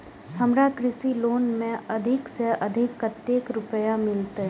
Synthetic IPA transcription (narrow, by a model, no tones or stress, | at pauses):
hɐmɾakɾɪsiloːnmẽɐd̪ʱɪkseʔɐd̪ʱɪkːət̪ːeːkɾʊpəjamɪlt̪eɦ